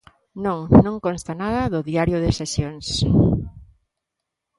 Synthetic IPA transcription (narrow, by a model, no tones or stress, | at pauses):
nõŋnõŋkonst̪anað̞ɐðʊðiaɾjʊðɪsesjoŋs